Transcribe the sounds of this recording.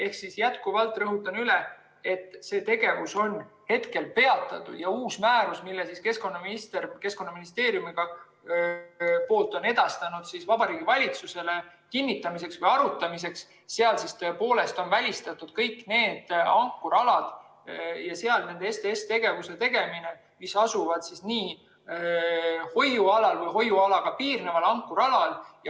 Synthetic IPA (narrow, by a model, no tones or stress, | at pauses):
e̞hksisjæt̪kuvɑlt̪ːˑrɤɦut̪ːˑɑnyle | e̞t̪ˑːse̞ːt̪e̞ɡ̥e̞vuso̞nhe̞t̪ke̞lpe̞ɑt̪ːˑɑ̰t̪ṵjɑuːsmæːɾusmilːesiske̞sko̞nːɑminist̪erke̞sko̞nːɑminist̪e̞ːɾjumiɡ̥ɑ | po̞ːlt̪ːˑo̞ne̞d̪̥ɑst̪ɑnud̪̥sisvɑb̥ɑɾiːɡ̥ivɑlʲit̪suse̞le̞ | kinːit̪ːˑɑmis̬e̞ksvɤjɑɾut̪ːˑɑmis̬e̞ksː | eɑlsist̪øepo̞ːle̞st̪o̞nvælʲist̪ɑt̪ːˑud̪̥kɤ̞jkːne̞ːd̪̥ɑŋkːˑuɾɑlɑd̪̥ | jɑse̞ɑlne̞nd̪eest̪eest̪e̞ɡ̥e̞vuse̞t̪e̞ɡ̥e̞mine | misɑsuvɑd̪̥sisniː | ho̞juɑlɑlvɤjɦo̞jːuɑlɑɡ̥ɑpiːrnevɑlɑŋkːˑuɾɑlɑlj